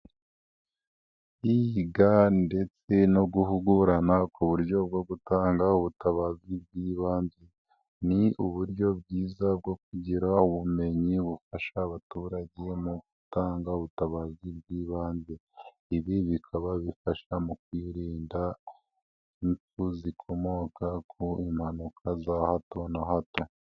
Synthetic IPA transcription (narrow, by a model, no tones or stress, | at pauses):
iɡande̞t͡se̞no̞ɡuhuɡuɾanakuβuɾɟo̞b̚ɡo̞ɡutaːŋɡauβutaβazib̚ɡiːβaːɲze̞ | niuβuɾɟo̞bɡiːzab̚ɡo̞kuɟiɾauβume̞ɲiβufaʃaːβatuːɾaɟe̞muɡ̥utaːŋɡauβutaβazib̚ɡiːβaːɲɟe̞ | iβiβikʰaβaβifaʃamukwiːɾiːnda | inp͡fuzikʰo̞mo̞kakʰoimhanukʰazahato̞nahato̞